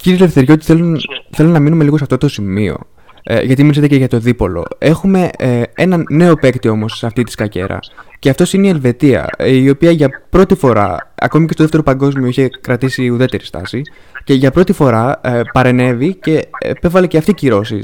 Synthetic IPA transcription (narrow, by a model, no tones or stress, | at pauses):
ciɾilefθeɾʝeot̪i̥θelunθe̞lunːɐminume̞liɣosɐft̪ot̪o̞simio̞̰ | ʝɐt̪imiiset̪eceʝɐt̪o̞ðipo̞̰lo̞̰e̞xume̞e̞nɐne̞o̞pe̞kt̪io̞mo̞seɐft̪it̪i̥skɐce̞̰ɾɐ̰ceɐft̪o̞sineielve̞t̪iɐ̰io̞piɐʝɐpɾo̞t̪ifo̞ɾɐ̰ɐ̰ko̞micest̪oðeft̪eopɐŋɡo̞zmioiçe̞kɾɐt̪isiuðe̞t̪e̞ɾist̪ɐ̰si | ce̞ʝɐpɾo̞t̪ifo̞ɾɐpɐɾe̞ne̞vice̞ḛpe̞vɐleceɐft̪iciɾo̞sḭs